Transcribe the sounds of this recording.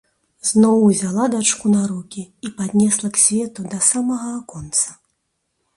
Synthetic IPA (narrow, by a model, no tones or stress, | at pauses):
z̥nɔwuzʲalˠad̪at͡ʂkunaɾukʲiipad̪ʲnʲɛslˠɐksʲvʲɛt̪ud̪ɐsamɐɣɐːkɔnt̪sɐ̥